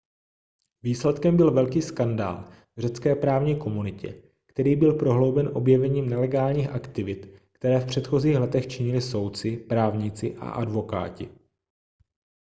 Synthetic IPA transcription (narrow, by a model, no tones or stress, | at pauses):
viːslɛt̪kɛmbɪlvɛlkiːskanda̰ːl | vrɛt͡skɛːpɾaːvɲiːko̞munɪcɛ̰ | kt̪ɛɾiːbɪlpɾo̞ɦlo̞wbɛnʔo̞bjɛvɛɲiːmnɛlɛɡaːlɲiːxʔakt̪ɪvɪt̪kt̪ɛɾɛːfpr̝̥ɛt̪xo̞ziːxlɛt̪ɛxt͡ʃɪɲɪlɪso̞wt̪t͡sɪpɾaːvɲɪt͡sɪʔa̰ʔadvo̞ka̰ːcɪ̰